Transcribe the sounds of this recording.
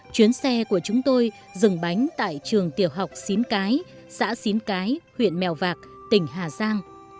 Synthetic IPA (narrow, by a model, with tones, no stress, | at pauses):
t͡ɕwi˨˦ənsɛ˧ku˧˩ət͡ɕʊ˨˦ŋ͡mt̪o˧j | zɨ˨˩ŋɓa˨˦jŋ̟t̪a̰ː˧˨jt͡ɕɨ˨˩əŋt̪i˨˩əwɦa˨˩wk͡p̚si˨˦nkaː˨˦j | sa̰ː˧˥si˨˦nkaː˨˦jhwḭ˧˨ənmɛ˨˩wvaː˨˩k̚ | t̪ï˧˩ŋ̟ɦaː˨˩zaː˧ŋ